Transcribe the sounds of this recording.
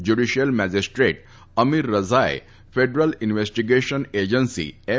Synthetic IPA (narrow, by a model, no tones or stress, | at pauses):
d͡ʑuɖiʃjəlmæd͡ʑisʈɾeʈ | əmiɾːəd͡zaj | feɖɾəlinʋesʈiɡeʃəned͡ʑənsḭe